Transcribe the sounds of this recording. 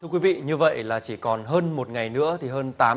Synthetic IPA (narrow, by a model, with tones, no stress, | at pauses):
ɨ˧əkwi˨˦vḭ˧˨ɲɨ˧və̰˧˨jlaː˨˩t͡ɕi˧˩kɔ˨˩nɦəː˧nmo˨˩t̚ŋa˨˩jnɨ̰˧˥ət̪ʰi˨˩ɦəː˧nt̪aː˨˦